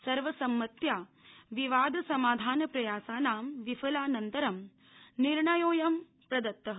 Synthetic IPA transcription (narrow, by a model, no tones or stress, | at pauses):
sɐɾʋɐsɐmːɐt̪jaː | ʋiʋaːd̪ʱɐsɐmaːd̪ʱaːnɐpɾɐjaːsaːnaːmʋifʰɐlaːnɐnt̪ɐɾɐm | niɾɳɐjoːjɐm | pɾɐd̪ɐt̪ːɐɦ